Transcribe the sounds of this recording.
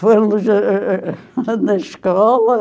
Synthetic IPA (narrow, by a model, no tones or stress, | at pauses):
lːuse | neskɑːlɑ